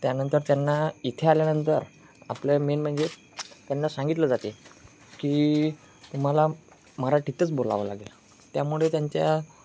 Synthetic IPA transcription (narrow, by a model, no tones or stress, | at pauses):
t̪janənt̪əɾt̪janːait̪ʰealjanənt̪əɾ | a̰plemenm̤əɳd͡ze | t̪janːasãŋɡit̪ləd͡zat̪e | kiː | t̪um̤ala | maɾaʈit̪ət͡sbola̰ʋəla̰ɡelə | t̪jamuɭet̪jaɲt͡ɕja̰